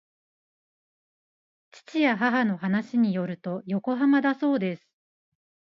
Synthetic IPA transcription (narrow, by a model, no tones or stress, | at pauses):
t͡ɕi̥t͡ɕijaɦaɦano̞ɦanaɕiɲ̟ijo̞ɾɯ̟t̪o̞jo̞ko̞ɦamad̪aso̞ːd̪e̞sɨ̥